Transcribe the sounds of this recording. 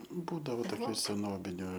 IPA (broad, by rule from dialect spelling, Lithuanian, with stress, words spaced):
ˈbuːdɐʋoː toːˈkʲuː sʲɛˈnoːbʲɪnʲʊ